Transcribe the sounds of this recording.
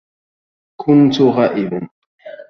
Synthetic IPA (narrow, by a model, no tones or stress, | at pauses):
kʰʊnt̪ʊɣaːʔɪbʊ